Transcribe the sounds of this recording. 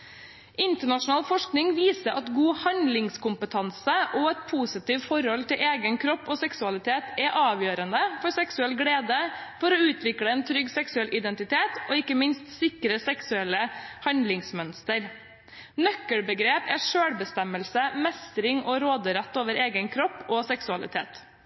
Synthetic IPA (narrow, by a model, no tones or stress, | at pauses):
ʔɪnt̪əɳɑʂʊnɑːlfɔʂknɪŋʋiːsəɾʔɑt̪ɡuːhɑnd̪lɪŋskʊmpət̪ʰɑnsəʔoɛt̪pʰuːsɪt̪iːʋfɔɾhɔlt̪ʰɪlʔeːɡənkʰɾɔpːoːsɛksʉɑlɪt̪ʰeːt̪ɛʔɑːʋjøːɾənd̪əfɔɾsɛksʉɛlɡɽeːd̪əfɔɾɔʉːt̪ʰʋɪkɽəɛːnt̪ʰɾʏɡsɛksʉɛlʔɪd̪ɛnt̪ɪt̪ʰeːt̪ɔːɪkːəmɪnst̪sɪkɾəsɛksʉɛlːəhɑnd̪lɪŋsmœnst̪əɾ | nœkːəɽbəɡɾeːpæʂøːɽbəst̪ɛməlsəmɛst̪ɾɪŋɔɾoːd̪əɾɛt̪ːoːʋəɾeːɡənkʰɾɔpːɔsɛksʉɑlɪ̰t̪ʰḛːt̪